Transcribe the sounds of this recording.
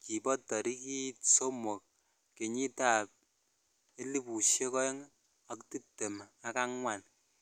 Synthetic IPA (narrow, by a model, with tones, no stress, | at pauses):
ki˨bɔ˦tɔ˨ɾi˦ki˦so˦mo˨k̚ | ke˨ɲi˦ta˦˨p̚ | e˦li˦pu˨ʃje˦kɔ˦e˦ŋ | a˨kti˦te˨ma˦ka˦ŋŋʷa˨n